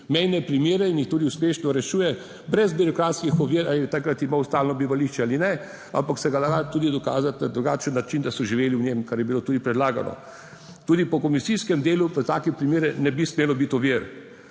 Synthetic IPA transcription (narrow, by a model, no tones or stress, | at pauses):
mɛjnɛpɾimjeːɾɛinjixt̪uːd̪iuspeːʃnɔɾɛʃuːjɛ | bɾɛzbiɾɔkɾaːt̪skixɔʋiɾalit̪akɾat̪imawst̪aːlnɔbiʋaliʃt͡ʃɛaːlinɛ | a̰mpaksɛɡalaat̪uːd̪id̪ɔka̰ːzat̪nad̪ɾuɡaːt͡ʃənːat͡ʃind̪asɔʒiʋeːliwɲemkaɾjɛbiloːt̪uːd̪ipɾɛd̪laːɡa̰nʔɔ̰ | t̪uːd̪ipɔkɔmisiskɛmd̪eːluʋət̪aːkɛpɾimeːɾɛnɛbismeːlɔbit̪ɔʋiɾ